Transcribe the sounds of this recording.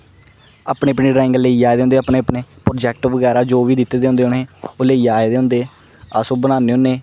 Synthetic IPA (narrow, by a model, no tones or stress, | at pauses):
aːpɳeːəpniːɖɾaːɪ̃ŋɡəleːjaːed̪eːõnd̪eaːpɳeːəpneːpɾoːd͡ʒɛːk̚ʈʋəɡɛːɾaːd͡ʒoːʋiːd̪ɪt̪ːeːd̪eːõnd̪eːʊneːʊleːjaːed̪eːɦʊ̃nd̪eː | asoːbənãːneːɦonːeː